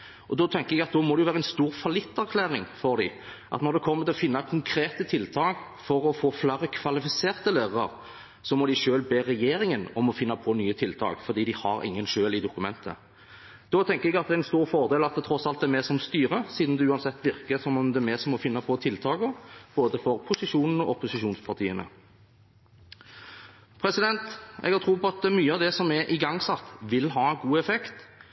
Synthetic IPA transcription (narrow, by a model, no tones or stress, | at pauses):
ʔɔd̪ɔːt̪ʰɛŋkəɾɛɡɑt̪̚d̪ɔːmɔd̪ɛjʊʋæːɾəɛnst̪uːɾfɑlɪt̪ːæɾkʰlæːʁɪŋfɔɾd̪ɪ | ʔɑ̰t̪nɔɾd̪ɛkʰɔmːət̪ʰɪlɔfɪnːɑkʰʊŋkʰɾeːt̪ət̪ʰɪlt̪ʰɑːk | fɔɾɔfoːflæːɾəkʰʋɑlɪfɪseːʁt̪əlæːʁəɑ̰ʁ | sɔmɔd̪ɪʃøːlbeːɾɛjeːɾɪŋənɔmɔfɪnːɑpʰɔnyːət̪ʰɪlt̪ʰɑ̰ːkfɔɾd̪iːd̪ɪhɑɾɪ̰ŋːənʃøːlɪd̪ʊkʉmɛ̰nt̪ʰə̰ | d̪̥ɔːt̪ʰɛŋkəɾɛɡɑt̪̚d̪ɛɛnst̪uːʁfɔʁd̪eːlɑt̪̚d̪ɛt̪ʰɾɔsɑlt̪̚d̪ɛmɛːsɔmst̪yːɾəsiːd̪n̩d̪ɛʉːɑnsɛt̪ːʋɪʁkəsɔmɔmd̪ɛmeːsɔmɔfɪnːɑpʰɔt̪ʰɪlt̪ʰɑːɡɔb̥oːd̪əfɔɾpʰʊsɪʂuːnən̩ɔʔɔpʊsɪʃuːnspʰɑʁt̪ʰiːənə̰ | pʰɾɛsɪd̪ɛnt̪ɛ̰ɡhɑɾt̪ʰɾuːpɔɑt̪̚d̪ɛmyːəɑʋd̪ɛsɔmɛʔɪɡɑŋːsɑt̪ːʋɪlɦɑːɡuːɛfɛkt̪